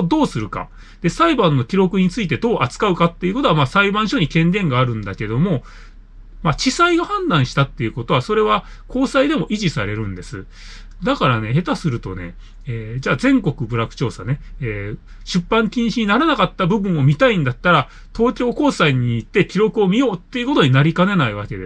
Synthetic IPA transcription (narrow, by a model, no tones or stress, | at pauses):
d̪o̞ːsɨɾɯ̟ka̰ | d̪̥e̞saibãnːo̞kʲiɾo̞kɯ̟ɲ̟it͡sɨit̪e̞d̪o̞ːʔat͡sɨ̥kaɯ̟kat̪ːe̞iɯ̟ko̞t̪o̞amaːsaibãɰ̃ɕo̞ɲ̟ikẽ̞nd̪ẽ̞ŋɡaːɾɯ̟̃nd̪ake̞d̪o̞mo̞ | mat͡ɕisaiɡahãnd̪ãɰ̃ɕi̥t̪at̪ːe̞jɯ̟ko̞t̪o̞βaso̞ɾe̞βa | ko̞ːsaid̪e̞mo̞ʔiʑisaɾe̞ɾɯ̟̃nd̪e̞sɨ | d̪akaɾane̞ɦe̞t̪asɨɾɯ̟t̪o̞̰ne̞̰ | eːd͡ʑaːzẽ̞ŋko̞kɯ̟bɯ̟ɾakɯ̥t͡ɕo̞ːsane̞eː | ɕɨpːãŋkʲĩɰ̃ɕiɲ̟inaɾanakat̪ːabɯ̟bɯ̟̃ɰ̃o̞mʲit̪aĩnd̪at̪ːaɾa | t̪o̞ːkʲo̞ːko̞ːsaiɲ̟iːt̪ːe̞kʲiɾo̞kɯ̟o̞mʲijo̞ːt̪ːe̞iɯ̟ko̞t̪o̞ɲ̟inaɾʲikane̞naiβ̞ake̞d̪e